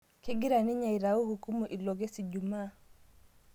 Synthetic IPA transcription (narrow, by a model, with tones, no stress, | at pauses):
ke˦ɡi˦ɾa˨ni˦ɲa˨i˨ɾa˨u˦hu˨ku˦mu˨ʔi˨lo˨ɡe˦si˨ɟu˨maː˦